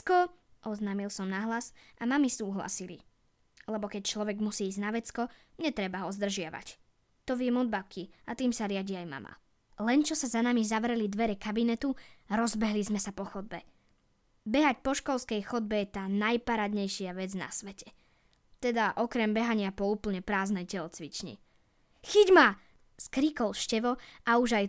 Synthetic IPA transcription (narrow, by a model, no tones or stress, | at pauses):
kɔʔɔznaːmilˠsɔmnaɦlasamamisuːɦla̰silḭ | lɛbɔkɛc̚t͡ʃlɔʋɛɡmusiːznaʋɛt͡skɔɲɛt̪ɾɛbaɦɔzd̪r̩ʒɪaʋa̰c | t̪ɔʋɪɛmɔd̪̚bakʰiat̪iːmsaɾɪaɟiajma̰ma̰ | lɛnt͡ʃɔsazanamizaʋɾɛlid̪ʋɛɾɛkabinɛt̪uɾɔzbɛɦlizmɛsapɔxɔd̪̚bɛ | bɛɦacpɔʃkɔlˠskɛjxɔd̪̚bɛjɛt̪aːnajpaɾad̪ɲɛjʃɪaʋɛd͡zna̰sʋɛcɛ | t̪ɛd̪aʔɔkɾɛmbɛɦaɲɪapɔuːpl̩ɲɛpɾaːznɛjcɛlɔt͡sʋit͡ʃɲḭ | xiɟma | skɾiːkɔlʃcɛʋɔauʒaj